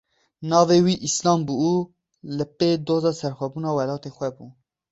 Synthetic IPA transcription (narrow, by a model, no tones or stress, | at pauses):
nɑːveːwiːʔislɑːmbuu | lɨped̪oːzɑːsɛɾxʷɛbuːnɑːwɛlɑːt̪eːxʷɛbuː